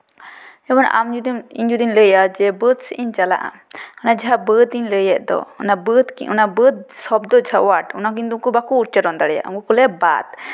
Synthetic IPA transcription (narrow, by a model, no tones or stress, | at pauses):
ɛbɔnʔa̰md͡ʒud̪imḭɲd͡ʒud̪inləjad͡ʒɛbəd̪siʔiɲt͡ʃala̰ʔa̰ɔnad͡ʒaɦabəd̪iɲləjɛʔd̪ɔ̰ɔ̰nabəd̪kiṵnabəd̪̚sɔbd̪ɔd͡ʒʱaʔwaʈunakind̪umkubakuːɾt͡ʃəɾɔnd̪aɽɛja̰ʔŋɡukɔlɛba̰t̪